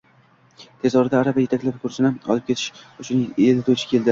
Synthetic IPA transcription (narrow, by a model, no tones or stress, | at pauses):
t̪ʰe̞zɒɾɪd̪aːɾabaje̞t̪ʰakʲlapkʰʊɾsɪnɪɒ̰lˠɪp̚kʲʰe̞t̪ʰɪ̥ʃʊt͡ʃʰʊnelɪt̪ʰot͡ʃʰɪ̥kʲʰe̞lˠd̪ɪ